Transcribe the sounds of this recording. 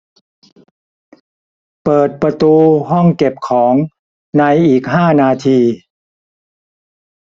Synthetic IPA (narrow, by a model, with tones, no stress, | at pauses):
pɤː˨˩t̪̚pɾa˧t̪uː˧ɦɔ˥˩ŋke˨˩p̚kʰɔː˩˦ŋ | na˧jʔiː˨˩k̚ɦaː˥˩naː˧t̪ʰiː˧